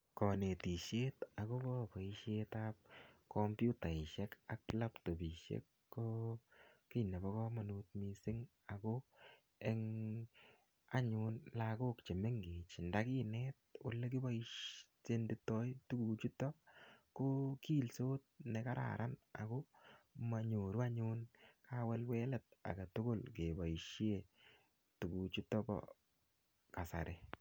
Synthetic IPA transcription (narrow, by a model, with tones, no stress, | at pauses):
kɔ˨ne˨ti˨ʃe˦ta˨ko˦bɔ˦pa˨i˦ʃetap̚kɔmpju˦ta˨ɪ˨ʃɛ˦ka˨kla˦pto˨bi˨ʃḛ˦kːo˦ | ki˦nɛ˨bɔ˦kɔ˦ma˨nu˨t̚mi˨sɪ˦ŋ | a˨ko˦ | e˦ŋ | a˦ɲʊ˧nlako˦kt͡ʃe˨me˦ŋɡe˨t͡ʃɪ˨nda˦ki˦nɛt̚o˨le˦k̬i˦ba˦iʃse˦ndɪ˦tːɔ˦jtu˦ku˨t͡ʃu˦tɔ˦koki˦lsoː˦t̚ne˨ka˦ɾa̰˨ɾʔa˦na̰˨koma˨ɲo˨ɾu˦a˦ɲʊnkawɛ˦lwɛ˦lɛ˨t̚a̰˨ɡa˨tʊ˦kʊ˦lke˨ba˨i˨ʃi˦e˨ | tu˨ku˨t͡ʃu˦tɔ˦bɔ̰˨ | ka˨sa̰˨ɾʔe